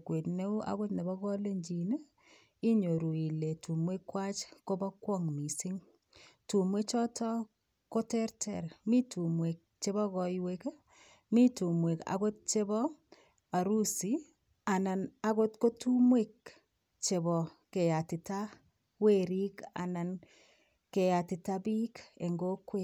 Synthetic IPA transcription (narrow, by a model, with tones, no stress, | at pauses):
kwe˨tne˦u˦ʔa̰˦ɣo˦tne˨bɔ˦kɔ˦le˦ɲd͡ʒi˨ne˦ | i˦ɲo˨ɾu˨i˨le˨tu˨mwe˦kːwa˦t͡ʃko˦bɔ˦kwɔ˦ŋmi˨si˦ŋ | tu˨mwe˦t͡ʃɔ˦tʰɔ˦ | ko˦tɛ˦ɾtʰɛ̰˨ɾmi˦tu˨mwe˨k̚t͡ʃe˦bɔ˦kɔ˨jwe˦k | mi˦tu˨mwe˨ka̰ɡo˦t̚t͡ʃe˦bɔ˦ | a˨ɾu˦si˦ | a˨na˨na˨ɣo˦tko˦tu˦mwe˦k̚ | t͡ʃe˨bɔ˨ke˨ja˨ti˨ta˦ | we˦˨ɾi˦ka̰˨na˨n | ke˨ja˨ti˨ta˦bi˦ke˨ŋɡo˦kːwe˦